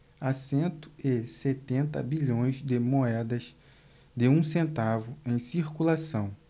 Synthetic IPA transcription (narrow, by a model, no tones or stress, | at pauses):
asẽnt̪ʊ̥ɪset̪ẽnt̪ɐ̰biʎõj̃zd̪ɪmoɛd̪ɐz | d̪ɪũsẽnt̪avʊẽj̃siɾkulasɐ̃w̃